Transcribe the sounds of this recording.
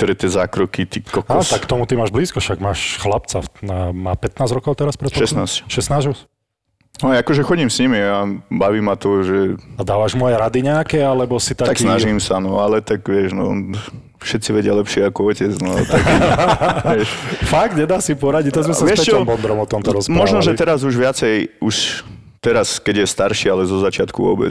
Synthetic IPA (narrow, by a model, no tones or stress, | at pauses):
k̚t̪ɔɾɛt̪ɪɛzaːkɾɔkit̪ikːɔkaɔt̪akkt̪ɔmut̪imaːʒbliːskɔʃaɡmaːʃxlapt͡saamaːpɛt̪naːzɾɔkɔʊt̪ɛɾaspɾɛt̪ʃɛsnaːscʃɛsnaːzʒus | najakɔʒɛxɔɟiːmsɲimiabaʋiːmat̪ɔʒɛad̪aːʋaʒmɔajɛɾad̪iɲɛakɛalɛbɔsit̪at̪aksinaʒimsanɔalɛt̪aɡʋɪɛʒnɔ | fʃɛt̪t͡siʋɛɟɪalɛpʃɪɛakɔɔcɛd͡znɔalt̪a | ʋɛʃfaɡt̪ɲɛd̪aːsipɔɾaɟic̚t̪azmɛsaɛɛt͡ʃɔmbɔnd̪ɾɔmɔt̪ɔmt̪ɔɾɔsmaɔʒnɔʒɛtt̪ɛɾazuʒʋɪat͡sɛjuʃ | t̪ɛɾaskɛɟjɛst̪aɾʃialɛzɔzat͡ʃɪat̪kuʋɔ̰bɛ̰